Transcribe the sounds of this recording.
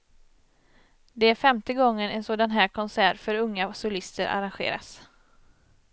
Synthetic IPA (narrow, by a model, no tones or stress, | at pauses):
d̪ɛæɾfɛmt̪əɡɔŋːənɛnsoːd̪anɦæːkʰɔnsæːɾfœɾɵŋːasʊlɪst̪əɾʔa̰ɾanɧḛːɾa̰s